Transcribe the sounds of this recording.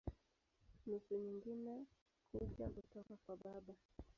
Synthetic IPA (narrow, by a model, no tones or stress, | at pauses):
nusuɲiŋɡinɛ | kupja̰kutɔkakwaɓaɓa